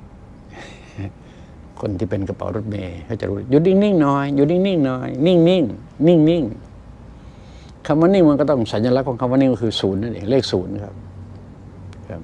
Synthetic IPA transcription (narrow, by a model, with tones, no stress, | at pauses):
kʰo˧˨nt̪ʰiː˧˩pe˧nka˧pa̰˨˦wɾo˦˧˥t̪̚meː˧˩kʰa˧˩t͡ɕa˧˨ɾuː˦˧˩juː˧ni˧˥˩ŋni˧˩ŋnɔː˧˦jjuː˧˦ni˧˥˩ŋni˧˥˩ŋnɔː˧˦jni˧˥˩ŋni˧˩ŋ | ni˧˩ŋni˧˩ŋ | kʰa˧˨mːwaː˧˦ni˧˩ŋma˧nkɔ˧˩t̪ɔ˧˥˩ŋsa˨˦njaː˧la˦˥kʰɔː˨˦ŋkʰa˧mːwaː˧˦ni˧˩˨ŋkɔ˧kʰɯː˧˩suː˨˦nːa˧˨ʔḛː˧˨˦leː˥˩k̚suː˨˩˦n˧kʰa̰˦˥p̚ | kʰa̰˦˧˩p̚